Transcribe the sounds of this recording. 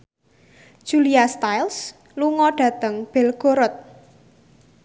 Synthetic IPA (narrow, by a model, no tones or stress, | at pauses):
d̥ʒ̥uliast̪ajls | luŋɔɖ̥ä̤t̪əŋb̥ɛ̤lɡ̥oɾɔt̪̚